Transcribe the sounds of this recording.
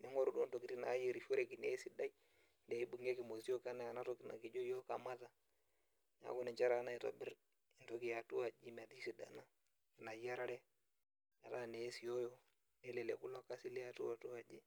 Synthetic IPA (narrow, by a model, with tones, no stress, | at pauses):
nɛ˨˦ŋɔ˦ɾu˦du˦n˦to˨ki˨˦ti˦na̰˨˦ji˦˨ɾi˨fo˦ɾɛ˨ki˨ne˨˦si˦da˦i˦ | ndɛ˨i˦bu˨ŋe˦kɪ˨mo˨si˦o˦ka˦na˦a˨na˦to˦kɪ˨na̰˨ki˨˦d͡ʒo˦jo˦ka˨ma˦ta˨ | na̰˨˦ku˦nɛ˨t͡ʃa˦ɾa˨˦na˦i˨to̰˨bɪ˦ɾ | ɪ˨to˦ki˨ja˨tu˦wa˨d͡ʒi˦m˨a˨ti˦si˨da̰˨na˦ | ki˨na˨˦ja˦ɾa˦ɾɛ˦ | ɲa˨ta˦˨ne˨˦si˨jo˦jo˦ | nɛ˦lɛ˨lɛ̰˨ku˦la˦ka˦si˦li˦a˨tṵ˦a˨tu˦a˨d͡ʒi˦